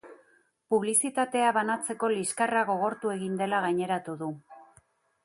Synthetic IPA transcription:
puβlisit̪at̪e̞aβanat͡se̞ko̞liskaraɣo̞ɣ̞o̞ɾt̪ue̞ɣind̪e̞laɣaɲe̞ɾat̪uðu

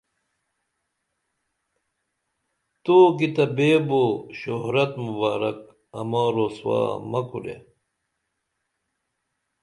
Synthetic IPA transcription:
t̪oːkit̪ɐbeːboɕoɦɾɐt̪mubaːɾɐ̰k | ɐ̰mãːɾoswa̰ːmɐkuɾḛ

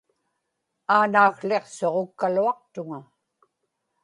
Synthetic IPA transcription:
aːnaːɣɬe̞qso̞ʁokːaluɑq̚t̪ʊŋa

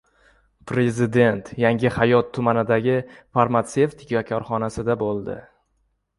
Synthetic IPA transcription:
pʰɾe̞zɪd̪e̞nt̪jaŋʲɪhajɒt̪ʰːʊmanɪd̪aɡʲɪfaɾmat̪se̞ft̪ʰɪkʲakʲʰɒɾχɒnasɪd̪abolˠd̪ɪ̰

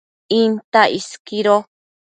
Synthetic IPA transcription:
ĩnt̪aiskiɾo

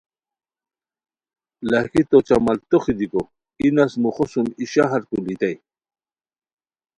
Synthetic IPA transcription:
lahkit̪ot͡ɕamalt̪oχid̪iko | inasmuχosumiɕaɦaɾkulit̪aj

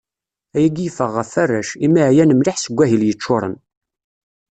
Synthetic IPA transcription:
æjæɡifəʁːəfærːæʃimːæʕjænəmlɪħsəɡʷːæɦiljət͡ʃːʊɾˤə̰n

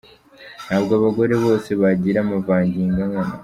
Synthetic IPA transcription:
nhaːβɡoaβaɡo̞ɾe̞βo̞ːseβaɟiɾaːmavaːɲɟiːŋɡaŋana̰

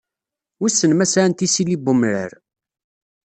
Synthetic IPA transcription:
wisːənmæsaʕnt̪isilibʊmɾə̰ɾ

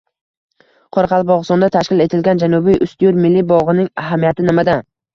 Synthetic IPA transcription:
qʰɒɾqʰɑlˠbɒʁɨst̪ɒnd̪at̪ʰaʃkʲɪle̞t̪ʰɪlɡʲand͡ʒanʊbijʔʊst̪ɪjuɾmɪlːibɒʁɨnɪŋaɦamijat̪ʰɪnɪmad̪an

